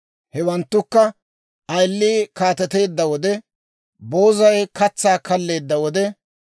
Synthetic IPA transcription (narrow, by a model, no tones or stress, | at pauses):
hɛwɐnt̪ːʊkːɐ | ɐjlːiːkaːt̪ɛt̪e̞ːd̪ːɐwɔd̪ɛ | bo̞ːzɐjkɐt͡sːaːkɐlːe̞ːd̪ːɐwɔd̪ɛ